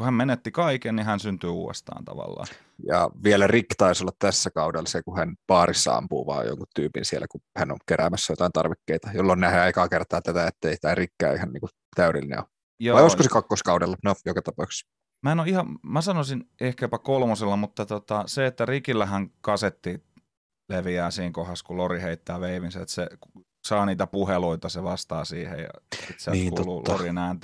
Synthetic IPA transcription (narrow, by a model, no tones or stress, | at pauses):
kuhæmmenet̪ːikɑikennihænsynt̪yːṵːḛst̪ɑ̰ːnt̪ɑ̰ʋɑ̰lːɑ̰ː | jɑ̰ʋielærikt̪ɑisolːɑt̪t̪æsːækɑudelːɑsekuhænpɑːrisːɑ̰ɑ̰mpṵːʋɑ̰ːjjo̰ŋkut̪t̪yːpḭnsielːækuhæno̰ŋkeɾæ̰mæsːæjot̪ɑint̪ɑ̰rʋikːeit̪ɑjolːonnæheekɑkert̪ɑːt̪æt̪æet̪ːeist̪æːrikːæ̰ːihɑnniːŋku | t̪æyɾḭlːinḛo | joʋɑioskkosekɑkːoskɑudelːɑnojokɑt̪ɑpɑˑks | mæenoihɑmæsɑnosinehkæpækolmoselːɑmut̪ːɑt̪ot̪ɑseet̪ːærikilːæhæŋkɑset̪ːi | leʋiæːsiːŋkohɑskuloriheit̪ːæːʋeiʋinsæet̪seku | sɑːniːt̪æpuheluit̪ɑseʋɑst̪ɑ̰ːsiːhḛjjɑ̰it̪sielniːkut̪oluːlːo̰rinæˑːnt̪